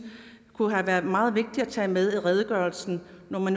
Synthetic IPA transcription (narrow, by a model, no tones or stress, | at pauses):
kʰuɦæʋæɐðˠmɑ̈ːð̞̩ˠʋe̝ɡ̥̚d̥iæt͡sʰɛ̰ːmeð̞ˠiʁɛð̞ˠəɡ̥ɶɐlsn̩ | nɒmæn